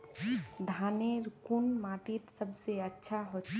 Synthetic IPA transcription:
d̪ʱaːneɾkunmaːʈit̪səbseətːʃʰaɦo

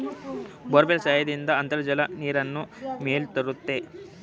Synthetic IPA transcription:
bɔɾbelsaːjɐd̪ind̪ɐːnt̪ɐɾɐd͡ʒɐlɐniːɾɐnːumeːlt̪ɐɾut̪ːe̞

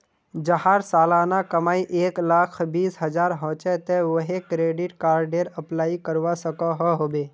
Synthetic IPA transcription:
d͡ʒəɦaːɾsaːlaːnakəmaːiʔeːklakʰbiːsɦəd͡ʒaːɾɦɔ̃ːt͡ʃɛt̪eʋəɦekɾeːɖɪʈkaːɾɖeːɾəplaːikəɾʋasəkaɦɔɦoːbeː

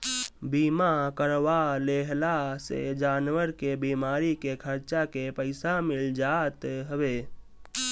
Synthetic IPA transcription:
biːmakəɾʋaleɦlasḛd͡ʒaːnʋəɾkebimaːɾikekʰəɾt͡ʃakepəɪsamɪld͡ʒat̪ɦəbe

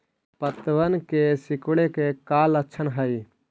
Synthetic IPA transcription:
pət̪ʋənkesikɽekekalətːʃʰənɦəj

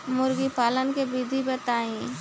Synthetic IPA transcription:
mʊɾɡipaːlənkebid̪ʱibet̪aːĩː

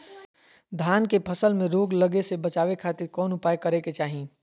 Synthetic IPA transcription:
d̪ʱaːnkepʰəsəlmẽɾoːɡləɡesebɐt͡ʃaːʋekʰaːt̪ɪɾkɔːnʊpaːjkɐɾeket͡ʃaːɦĩː

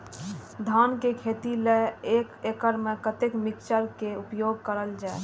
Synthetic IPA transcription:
d̪ʱankekʰeːt̪ileekekəɾmekət̪ekmikt͡ʃəɾkeupjoɡ̚kəɾəld͡ʒae

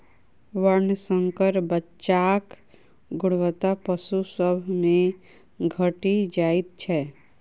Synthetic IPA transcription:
ʋəɾnəsəŋkəɾbətːt͡ʃaːk | ɡʊɽʋət̪apəsusəbʱmẽ | ɡʱəʈid͡ʒaːit̪̚t͡ʃʰɛ

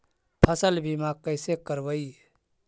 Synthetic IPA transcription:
pʰəsəlbʱimakəɪsekəɾbəi

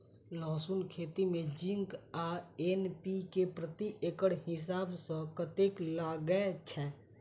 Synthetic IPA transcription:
lɔːsunkʰeːt̪imẽd͡ʒɪŋɡaeːnpikepɾət̪iʔeːkəɽɦɪs̬aːbsə̃kət̪eklaːɡəet͡ʃʰɛː

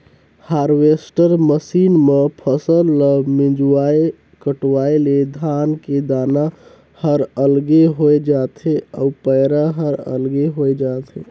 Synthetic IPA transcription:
haɾwesʈəɾməsinmepʰəsəlːəmĩd͡ʒwae | kəʈwaeled̪ʱanked̪ana | həɾəlɡeɦojed͡ʒat̪ʰea̰upəjɾaɦəɾə̰lɡeɦojd͡ʒat̪ʰe

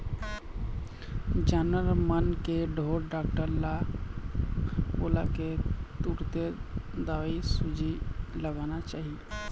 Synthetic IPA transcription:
d͡ʒənəɾmənkeɖʱoːɾɖaːk̚ʈəɾla | boːlaket̪uːɾt̪ed̪aʋisud͡ʒʱiləɡanat͡ʃaːɦi

